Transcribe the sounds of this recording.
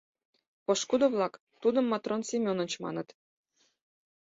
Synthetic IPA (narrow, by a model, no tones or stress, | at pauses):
pɤ̆ʂkud̪ɤ̆vlˠɑk | t̪ud̪ɤ̆mːɑt̪ronsʲemʲonɤ̆nʲt͡ɕmɑ̰nɤ̆t̪